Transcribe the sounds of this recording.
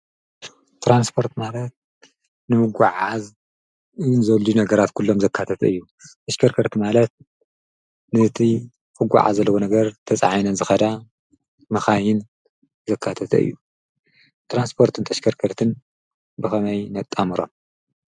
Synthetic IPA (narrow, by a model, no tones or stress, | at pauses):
t̪ʰɾanspʰo̞ɾt̪malɐt̪̚ | nɨmɨɡʷaʕaz | ɨjnzɐluunɐɡɐɾat̪kʰulːo̞mzɐkʰːat̪ʰɐt̪ʰɐɨjːu | t̪ʰɐʃkʰɐɾkʰɐɾt̪ʰɨmalɐt̪̚ | nɨt̪ʰi | kɨɡʷa̰ʕa̰zɐlːɐwonɐɡɐɾt̪ʰɐt͡sʼʕajnɐnzɨxɐd̪a | mɐxajɪn | zɐkʰːat̪ʰɐt̪ʰɐ̰ɨ̰jːu | t̪ʰɾanspʰo̞ɾt̪ʰɨnt̪ʰɐʃkʰɐɾkʰɐɾt̪ʰɨn | bɨxɐmɐjnɐt̪ʼːamɨɾo̞̰m